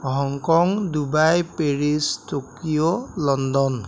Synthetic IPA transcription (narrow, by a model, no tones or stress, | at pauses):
ɦɔŋkɔŋdubajpeɹistokijolɔndɔn